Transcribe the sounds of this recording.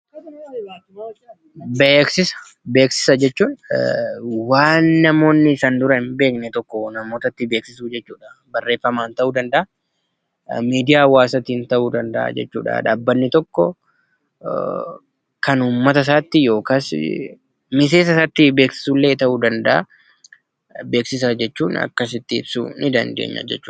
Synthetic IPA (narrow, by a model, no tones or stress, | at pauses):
beːksɪsɐ̥ | be̞ːksɪ̥sɐd͡ʒɛt͡ʃːuːn | waːnːɐmo̞ːnːɪsand̪ʊɾɐnbeːknɛt̪ɔkːɔnɐmo̞ːt̪ɐt̪ːɪbeːksɪsuːd͡ʒɛt͡ʃːuːᶑɐbɐrːe̞ːfːɐmaːnt̪ɐʔuːd̪ɐnd̪ɐʔɐ | miːd̪ɪjaːwaːsɐt̪int̪ɐʔuːd̪ɐnd̪ɐʔa̰d͡ʒɛ̰t͡ʃːṵːᶑɐ̰d̪a̰ːbːɐnːɪt̪ɔkːɔ | kɐnuːmːɐt̪ɐs̬aːt̪ːɪjo̞ːkas | mɪs̬e̞ːs̬ɐsaːt̪ːɪbe̞ːksɪ̥suːlːe̞ːt̪ɐʔuːd̪ɐnd̪ɐʔa̰ | be̞ːksɪs̬ɐd͡ʒɛt͡ʃːuːnɐ̰kːɐs̬ɪt̪ːɪɪbsṵnɪd̪ɐ̰nd̪ḛːɲːɐ̰d͡ʒɛ̰t͡ʃːuː